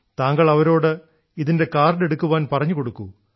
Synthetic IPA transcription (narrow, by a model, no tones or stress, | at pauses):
t̪aːŋɡɐɭɐʋɐɾo̞ːɽɨ | iðinde̞kaːrne̞ɽukːuʋaːnpɐrɐɲːukoɽukːu